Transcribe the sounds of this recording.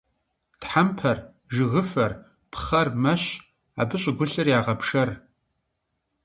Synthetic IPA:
tħampʰɐr | ʒɨɣɨfɐr | pʰχɐrmɐɕ | a̰ːbɨɕʼɪɡʷʊɬɨrjaːʁɐpʂɐr

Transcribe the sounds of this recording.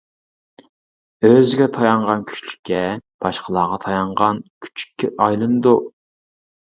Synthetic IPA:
øzɪɡʲɛt̪ʰɑjɑɴʁɑnkʲʰy̥t͡ʃlykʲʰːɛb̥ɑʃqʰəlˠɑːʁɑt̪ʰɑjɑɴʁɑnkʲʰy̥t͡ʃʰy̥kʲʰːɛʔɑjlˠɨnɨd̪u

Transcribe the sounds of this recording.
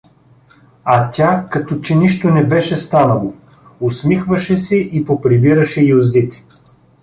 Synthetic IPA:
ɐt̪ʲakɐt̪ɔt͡ʃɛniʃt̪onɛbɛʃɛst̪anɐlˠo | ʊsmixvɐʃɛsɛʔipopɾibiɾɐʃɛiʊzd̪it̪ɛ̥

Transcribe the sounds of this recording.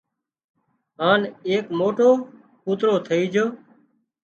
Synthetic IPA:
ɦaːneːkmoːʈoː | kuːt̪ɾoːt̪ʰəiːd͡ʒoː

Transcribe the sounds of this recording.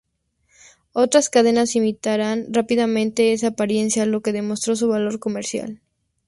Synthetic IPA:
o̞t̪ɾaskaðe̞nasimit̪aɾanrapiðamẽ̞nt̪e̞esaːpaɾje̞nsjalo̞ke̞ðe̞mo̞st̪ɾo̞s̬uβalo̞ɾko̞me̞ɾsja̰l

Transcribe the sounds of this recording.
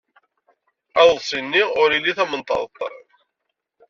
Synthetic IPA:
æðˤsˤinːiʊɾiliθæmənt̪ˤɑ̰ðˤt̪ˤːɾˤə̰ð

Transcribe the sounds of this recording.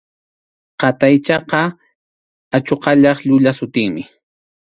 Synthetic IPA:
qɑt̪ajt͡ʃɑqɑ | at͡ʃoqɑʎɑχʎʊʎasʊt̪ɪŋmɪ

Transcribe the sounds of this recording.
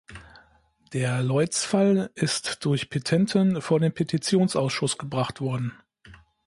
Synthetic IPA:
d̥eːɐlɔʏt͡sfalʔɪstd̥ʊɐçpʰetʰɛntʰənfoːɐdeːmpʰetʰit͡sjoːnsʔaʊsʃʊsɡ̥əbʁaχtv̥ɔɐdn̩

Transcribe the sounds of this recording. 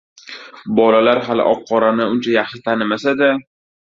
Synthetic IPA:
bɒlalaɾɦalɪ̰ʔɒqʰːɒɾanɪʊnt͡ʃʰajaχʃɪt̪ʰanɪmasad̪a

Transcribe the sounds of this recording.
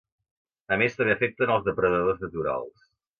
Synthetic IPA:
əmest̪ə̃mbeəfɛk̚t̪ənəlˠzðəpɾəðəðoznət̪uɾa̰lˠs

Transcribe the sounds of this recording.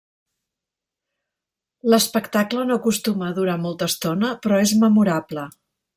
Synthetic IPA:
ləspəkt̪aklənokust̪uməːðuɾamɔlˠt̪əːst̪onəpɾɔezməmuɾablə

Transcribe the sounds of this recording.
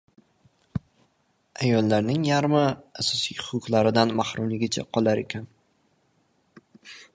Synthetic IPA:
ajɒlːaɾnɪŋjaɾmɪasɒsijhʊ̥qʊqlaɾɪd̪anmahɾʊmlɪɡʲɪt͡ʃʰa̰qʰɒlˠaɾe̞kʲʰan

